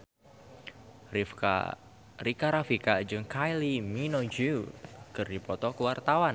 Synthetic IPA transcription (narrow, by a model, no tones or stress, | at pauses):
ɾikaɾafikad͡ʒɨŋkʰajliminod͡ʒukɨrdipɔt̪ɔkəwart̪awan